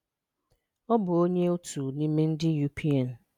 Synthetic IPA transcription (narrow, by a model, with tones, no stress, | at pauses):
ɔ˦bʊ˨o˦ɲe˦o˦tu˨nĩ˦mɪ˦n̩˦dɪ˦ju˨pʰi˦a˨n̩˨